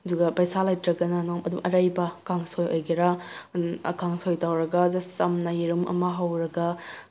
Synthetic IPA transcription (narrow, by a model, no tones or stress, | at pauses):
ɐduɡɐpajsalajtɾɐɡɐnɐnɔmɐdumʔɐɾajbɐkaŋsojojɡeɾa | ɐ̰kaŋsojtawɾɐɡɐduɡsɐmnɐjiɾumɐ̰mɐɦɐwɾɐɡɐ